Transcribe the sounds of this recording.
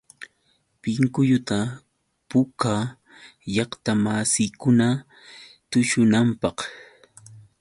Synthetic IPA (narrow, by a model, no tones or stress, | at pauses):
pɪŋkʊjʊt̪a | pʊka | jɑχt̪amasɪjkʊna | t̪ʊʃʊnampɑq